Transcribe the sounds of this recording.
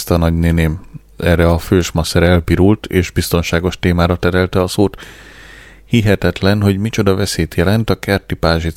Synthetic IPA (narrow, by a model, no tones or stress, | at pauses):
st̪ɒnɒɟneneːm | ɛrːɛɒføːʃmɒsɛɾɛlpiɾult̪eːʒbist̪o̞nʃaːɡo̞ʃt̪eːmaːɾɒt̪ɛɾɛlt̪ɛɒsoːt̪ | hiɦɛt̪ɛt̪lɛnɦo̞ɟmit͡ʃo̞d̪ɒvɛseːt̪jɛlɛnt̪ɒkɛrt̪ipaːʒi